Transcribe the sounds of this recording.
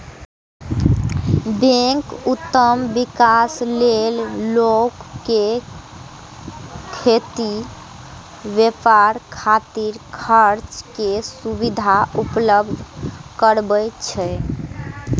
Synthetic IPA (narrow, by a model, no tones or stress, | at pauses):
bẽkut̪ːəmbikaslellokːe | kʰːet̪i | ʋepaɾkʰat̪iɾkʰəɾt͡ʃkesubid̪ʱaupləbd̪ʱkəɾbəjt͡ʃʰɛ